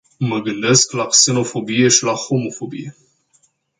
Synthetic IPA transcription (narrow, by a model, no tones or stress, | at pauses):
məɡɨnd̪e̞sklakse̞no̞fo̞bije̞ʃilaxo̞mo̞fo̞bḭje